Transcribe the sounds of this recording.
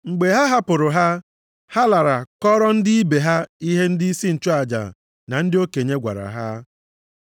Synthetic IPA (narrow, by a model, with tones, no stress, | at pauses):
ŋ͡m̩˨ɡ͡be˨ɦa˦ɦa˦pʊ˨ɾʊ˨ɦa˦ | ha˦la˨ɾa˨kɔ˦ɾɔ˦n̩˦dɪ˦i˦be˨ɦa˦i˦ɦe˦n̩˦dɪ˦i˦si˦n̩˨t͡ʃo˦a˨d͡ʒa̰˨ | na˨n̩˦dɪ˦o˦ke˨ɲe˦ɡʷa̰˨ɾa̰˨ɦa˦